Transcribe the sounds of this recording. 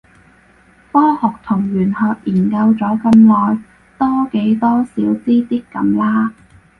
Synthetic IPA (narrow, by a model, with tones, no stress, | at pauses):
fɔː˥hʊ˨k̚t̪ʰʊ˨˩ŋɥyː˨˩nhɔː˨k̚jiː˨˩nkɐ˧wt͡sɔː˨˥kɐ˧mlɔː˨j | t̪ɔː˥ke˨˥jt̪ɔː˥siː˨˥wt͡siː˥t̪iː˥kːɐ˨˥mlaː˥